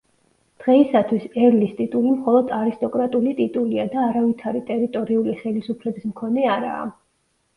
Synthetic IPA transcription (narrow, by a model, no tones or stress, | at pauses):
d̪̥ʁɛisat̪ʰwisɛɾlist̪ʼit̪ʼulimχɔlˠɔd̪aɾist̪ʼɔkʼɾat̪ʼulit̪ʼit̪ʼuliad̪aːɾavit̪ʰaɾit̪ʼɛɾit̪ʼɔɾiuliχɛlisupʰlɛbismkʰɔnɛaɾa̰ː